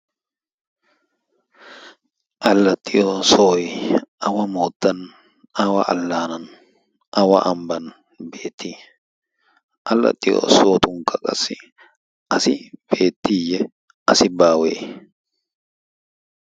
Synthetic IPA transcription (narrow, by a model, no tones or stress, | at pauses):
ʔɐlːɐt̪ʼːɪʔosoːɪɐwɐmoːt̪ːɐn | ɐwɐʔɐ̰lːaːnɐn | ʔɐwɐ̰ʔɐmbɐn | be̞ːt̪ːiː | ʔɐlːɐ̰t̪ʼːɪ̰ʔo̰soːt̪ʊŋkʼɐkʼɐsɪ | ʔɐsɪb̥eːt̪ːiːjɛ | ɐsɪbaːweː